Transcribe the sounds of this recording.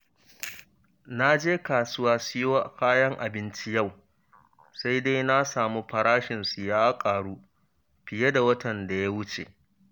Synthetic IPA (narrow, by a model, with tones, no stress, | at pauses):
na˦d͡ʒeː˦kaː˨sʊ˦waː˦sɪ˦jo˦˨kʰaː˦jɐ˦ŋʔa˨bɪ˦nt͡ʃi˦ja˦˨w | sa˦jda˦jna˦saː˨mu˦ɸɐ˨ɾaː˦ʃɪ˨nsu˨jaː˦kʼaː˨ɽuː˦ | ɸɪ˨je˦da˨wɐ˦tɐ˨nda˨ja˦wʊ˦t͡ʃḛ˨ʔ